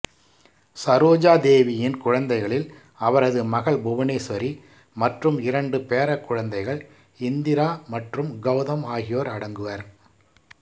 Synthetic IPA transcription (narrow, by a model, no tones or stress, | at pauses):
sɐɾoːd͡ʒaːd̪eːʋɪjɪnkʊɻɐnd̪ɐɪɣɐɭɪl | ɐʋɐɾɐðɯmɐɣɐɭbʊʋɐneːsʋɐɾi | mɐʈrɯmɪɾɐɳɖɯpeːɾɐkːʊɻɐnd̪ɐɪɣɐɭ | ɪnd̪ɪɾaːmɐʈrɯmɡɐʊðɐmaːɣɪjoːɾɐɽɐŋɡɯʋɐɾ